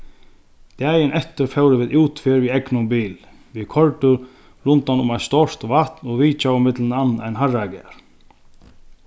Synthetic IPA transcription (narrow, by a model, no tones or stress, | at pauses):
d̪̥ɛːjɪnʔɛht̪ɪɾfɛwɾɪʋɪːðuːt̪fɪɾviɛknʊmbiːl | vɪkʰɔɹt̪ʏ | ɾʊnt̪anʊmajnst̪ɔr̥t̪vaht̪nɔɣviːt͡ʃawɪmɪt̪lɪnanːajnɦarakɪa̰ɾ̥